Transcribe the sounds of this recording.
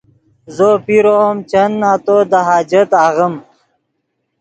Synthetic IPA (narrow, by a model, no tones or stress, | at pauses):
zopiɾomt͡ɕənːaːt̪od̪aɦaːd͡ʑət̪aɣəm